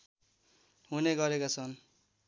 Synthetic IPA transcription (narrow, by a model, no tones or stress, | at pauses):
ɦuneɡʌɾekat͡sʰʌn